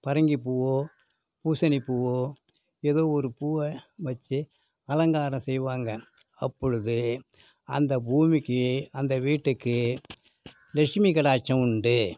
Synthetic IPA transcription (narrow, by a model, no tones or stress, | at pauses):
pɐɾɐŋɡipuʋoː | puːsɐnipːuʋoː | eðoːɔɾɯpuːʋɐʋɐt͡ʃːɯ | ɐlɐŋɡaːɾɐ̃msɛjʋaːŋɡɐ | ɐpːɔɻɯðɯ | ɐnd̪ɐbuːmikːɯɐnd̪ɐʋiːʈːɯkːɯ | lɛkʂmikɐɽaːt͡ʃːɐ̃ʊɳɖɯ